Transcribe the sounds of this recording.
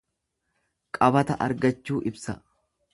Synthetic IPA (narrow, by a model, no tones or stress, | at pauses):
kʼɐbɐt̪ɐʔɐ̰ɾɡɐt͡ʃːuːʔɪbsɐ